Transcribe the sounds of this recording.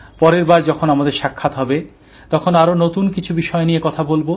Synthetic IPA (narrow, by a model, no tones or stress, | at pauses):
pɔɾeɾbaɾd͡ʑɔkʰonamad̪eɾʃakʰːat̪ɦɔbe | t̪ɔkʰonaɾonot̪unkit͡ɕʰubiʃɔenijekɔt̪ʰabolbo